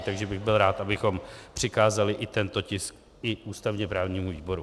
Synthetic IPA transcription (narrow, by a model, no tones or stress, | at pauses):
t̪aɡʒɛbɪɣbɪlɾaːt̪ʔabɪxo̞mpr̝̥ɪkaːzalɪʔɪt̪ɛnt̪ocɪsk̚ | ɪʔuːst̪avɲɛpɾaːvɲiːmuviːbo̞ɾu